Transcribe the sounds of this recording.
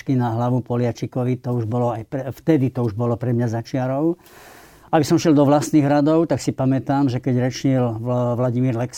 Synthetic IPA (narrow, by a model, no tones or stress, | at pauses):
kinaɦlaʋupɔlɪat͡ʃikɔʋit̪ɔuʒbɔlɔajpɛft̪ɛd̪it̪ɔuʒbɔlɔpɾɛmɲazat͡ʃɪaɾɔʊ | abisɔmʃɪɛld̪ɔʋlast̪niːɣɾad̪ɔʊt̪aksipamɛt̪aːmʒɛkɛɟɾɛt͡ʃɲilʋlaɟimiːɾlɛks